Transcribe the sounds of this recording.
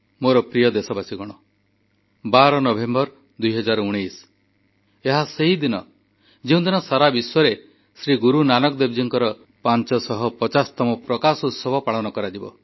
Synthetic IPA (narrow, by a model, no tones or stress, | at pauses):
moɾɔpɾijɔd̪esɔbasiɡɔɽ̃ɔ | baɾɔnɔbʱembɔɾ | d̪ujɦɔd͡ʒaɾɔuɽ̃ijs | eɦaseɦid̪inɔ | d͡ʒeũd̪inɔsaɾabiswɔɾe | sɾiɡuɾunanɔkɔd̪ebd͡ʒiŋkɔɾɔ | pant͡ʃɔsɔɦɔpɔt͡ʃast̪ɔmɔpɾɔkasut̪sɔbʱɔpaɭɔñɔkɔɾad͡ʒibɔ̰